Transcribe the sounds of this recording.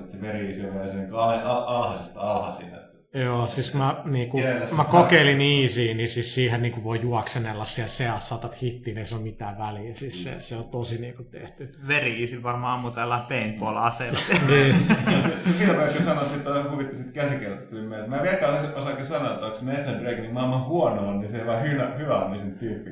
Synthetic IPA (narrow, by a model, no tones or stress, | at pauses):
et̪seʋeriiːsiʋesniŋkɑheɑɑlhɑsest̪ɑlhɑ̰sḭnḛ | joːsiskmæniːkummækokkeiliniːsiːnisissiːhenniːkuʋoijuɑksenelːɑssiælseɑssɑt̪ɑt̪hit̪ːiːnieisolumit̪æːʋʋæliæsissḛseot̪osiniːŋkut̪ḛht̪yʋeriisilʋɑrmɑːmut̪ælːɑpeinpolɑ̰ːseleniː | sekiʋeˑk̪ːisɑnossit̪ːosɑhuʋit̪ːisit̪kæsikert̪ɑ̥st̪ulimmelmæːʋiek̪æːˑsosɑkːesɑnoet̪ːoksmeeθændreiknimɑˑmːɑhhuɔnoːnniseiʋɑːhynɑhyʋæonːisint̪pyhkːæ